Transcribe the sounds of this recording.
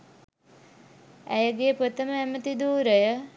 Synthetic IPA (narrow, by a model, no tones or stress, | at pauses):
æjəɡepot̪əməæmət̪id̪uːɾəjə